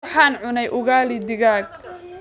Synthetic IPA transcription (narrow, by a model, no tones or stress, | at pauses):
ħaːnʕʊnɛjʔʊɣaːlɪd̪ɪɣaːɡ̚